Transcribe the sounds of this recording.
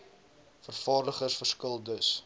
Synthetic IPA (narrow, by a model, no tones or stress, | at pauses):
fərfɑːrdəχəsfərskəlˠdəs